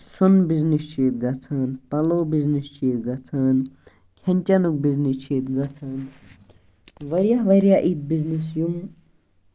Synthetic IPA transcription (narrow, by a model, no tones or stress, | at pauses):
sunbiznist͡ʃʰeːt̪̚ɡɐt͡sʰaːnpɐloːbiznist͡ʃeːt̪ɡɐt͡s̪ʰaːn | kʲʰɐnʲt͡ʃɐnuk̚biznist͡ʃʰeːt̪ɡɐt͡s̪ʰɐːn | ʋɐɾjaɦʋɐɾjaʔit̪̚biznisjum